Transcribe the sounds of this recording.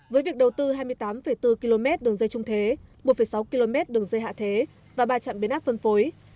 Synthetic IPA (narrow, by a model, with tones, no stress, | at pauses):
vəː˨˦jvi˨˩ək̚ɗə˨˩wt̪ɨ˧ɦaː˧jmɨ˧əjt̪aː˨˦mfə˧˩jt̪ɨ˧ki˧lo˧mɛ˦˥t̚ɗɨ˨˩əŋzə˧jt͡ɕʊ˧ŋ͡mt̪ʰe˨˦mo˨˩t̚fə˧˩jsa˨˦wki˧lo˧mɛ˦˥t̚ɗɨ˨˩əŋzə˧jɦa̰ː˧˨t̪ʰe˨˦ | vaː˨˩ɓaː˧t͡ɕa̰˧˨mɓi˨˦nʔaː˦˥p̚fə˧nfo˨˦j